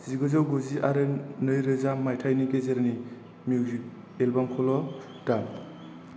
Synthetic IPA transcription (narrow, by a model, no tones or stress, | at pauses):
z̥iɡɯzawɡuziʔaɾɯnɯjɾɯzamajtʰajniɡezeɾani | mjuwzik̚ | elbamkʰɔlɔ | d̥am